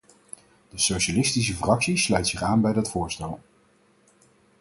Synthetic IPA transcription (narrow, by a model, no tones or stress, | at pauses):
dəsowʃalɪstis̬əfrɑksislœɥtsɪχaːnbɛjdɑtfʊːɹstɛlˠ